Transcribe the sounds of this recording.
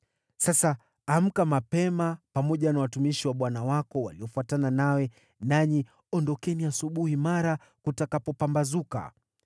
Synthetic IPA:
sasaː | m̩kamapɛmapamɔʄanawatumiʃiwaɓwanawakɔwa̰liɔfuatananawɛ | naɲi | ɔndɔkɛniasuɓuhimaɾa | kutakapɔpambazuka̰

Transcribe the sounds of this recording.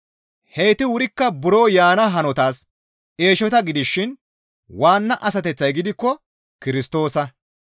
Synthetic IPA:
hejt̪ɪwʊɾɪkːɐbʊɾo̞ːjaːnɐɦɐnɔt̪aːs | e̞ːʃɔt̪ɐɡɪd̪ɪʃːɪn | waːnːɐʔɐs̬ɐt̪ɛt͡sːɐjɡɪd̪ɪkːɔ | kɪɾɪst̪o̞ːsɐ

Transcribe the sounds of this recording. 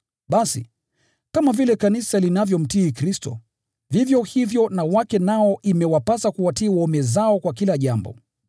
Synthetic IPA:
ɓasḭ | kamavilɛkanisalinavjɔm̩tiːkɾistɔ̰ | vivjɔhivjɔnawakɛnaɔʔimɛwapasakuwatiːwɔmɛzaɔkwakilaʄambɔ̰

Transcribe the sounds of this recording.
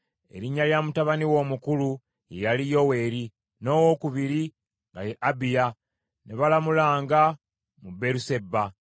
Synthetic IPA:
e̞̰ɾiɲːaljamutaβaniwo̞ːmukulu | jejalijo̞we̞ːɾi | no̞ːwo̞kuβiɾi | ŋɡajeʔabija | neβalamulaːŋɡa | mube̞ɾuse̞bːa

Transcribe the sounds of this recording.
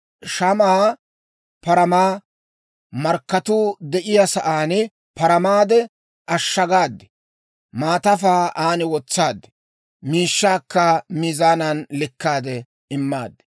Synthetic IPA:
ʃɐmaː | pɐɾɐmaː | mɐɾkːɐt̪uːd̪ɛʔɪjɐsɐʔaːnɛ | pɐɾɐmaːd̪ɛ | ʔɐʃːɐɡaːd̪ːɛ̥ | maːt̪ɐfaːaːnɪwɔt͡sːaːd̪ːɛ̥ | miːʃːaːkːɐmizaːnɐnlɪkːaːd̪ɛ | ɪmːaːd̪ːɛ̥

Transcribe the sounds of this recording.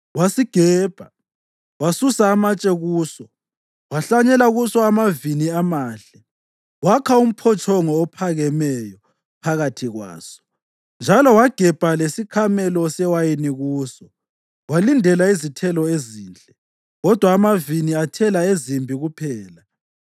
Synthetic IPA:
wasiɡ̥ʱɛːb̥ʱa | wasusaːmat͡ʃʼɛɣuːsɔ | waɬaɲɛlaɣusɔamaviniamaːɬɛ | wakʰaum̩pʰɔt͡ʃʰʼɔŋɔːpʰaɣɛmɛjɔ | pʰaɣatʰiɣwa̰ːsɔ̥ | nd͡ʒʱalɔwaɡ̥ʱɛb̥ʱalesikʰamɛlɔsɛwajiniɣuːsɔ | walindʱɛlaizitʰɛlɔeziːnt͡ɬʼɛ | ɣɔd̥ʱwaːmaviniatʰɛlaezimbʱiɣupʰɛːla

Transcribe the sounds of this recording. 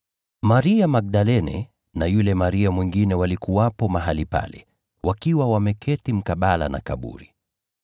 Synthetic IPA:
maɾiamak̚ɗalɛnɛ̰ | najulɛmaɾiamwiŋɡinɛwalikuwapɔmaɦalipa̰lɛ̰ | wʔakiwawamɛkʰɛtim̩kaɓala̰na̰kaɓṵɾi

